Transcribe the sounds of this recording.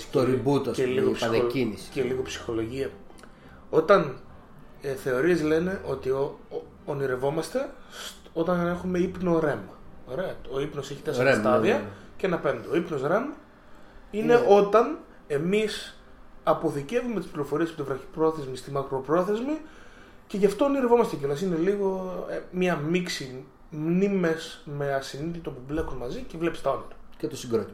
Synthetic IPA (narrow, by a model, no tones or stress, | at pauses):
t̪oɾibut̪oeliɣopsneinsceliɣo̞psi̥xo̞lo̞ʝiɐ | o̞t̪ɐn | eθe̞o̞ɾiezle̞ne̞ʔo̞t̪i | oniɾe̞vo̞mɐst̪e̞ | o̞t̪ɐnɐnɐe̞xume̞ipno̞ɾe̞mɐo̞ɾe̞ɐo̞ipno̞seçit̪esst̪ɐðiɐceɐnɐpe̞nd̪eoipno̞sɾe̞mɐ | ine̞o̞t̪ɐn | e̞mis | ɐpo̞θice̞vume̞t̪ispliɾo̞fo̞ɾiespot̪ivɾɐçipɾo̞θe̞zmist̪imɐkɾo̞pɾo̞θe̞zmi | ce̞ʝɐft̪oniɾvo̞mɐst̪ecelɐs̬ine̞liɣo̞mɲɐmiksi | mnime̞sme̞ɐsinit̪it̪o̞puble̞kunmɐzicevle̞pist̪ɐont̪ɐcet̪osiɡɾot̪i